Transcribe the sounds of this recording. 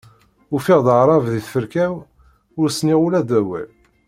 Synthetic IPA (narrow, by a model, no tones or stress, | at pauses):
ʊfiʁðəʕɾˤɑvðiθfəɾkæw | ʊɾsniʁʊlæd̪æwæ̰l